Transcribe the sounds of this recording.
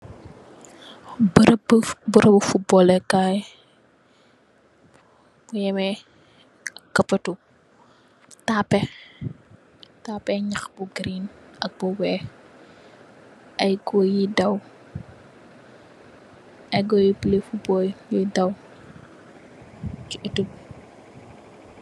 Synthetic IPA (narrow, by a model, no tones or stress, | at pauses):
bɾbbuɾəbufut̚bɔlɛkaj | bujɛmɛ | kɐpːɐtu | tapːɛ | taːpɛɲaxbuɡɾinɐk̚bɔwɛ | ʔɐjɡɔjidɐw | ɐjɡɔjipilefubɔːljɔjdɐw | kiʔitum